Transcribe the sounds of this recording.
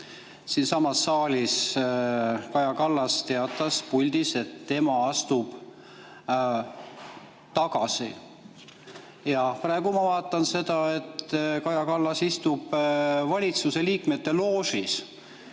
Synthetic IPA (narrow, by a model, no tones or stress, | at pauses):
siːnsɑmɑsːɑːlʲis | kɑjɑkɑlːɑst̪e̞ɑt̪ːˑɑspulʲd̪̥ise̞t̪ːe̞mɑɑst̪ub̥ | t̪ɑɡɑsi | jɑprɑe̞ɡ̥umɑvɑːt̪ːˑɑnse̞d̪̥ɑe̞t̪kɑjɑkɑlːɑsist̪ub̥vɑlʲit̪suse̞liːkme̞t̪ːe̞lo̞ːsis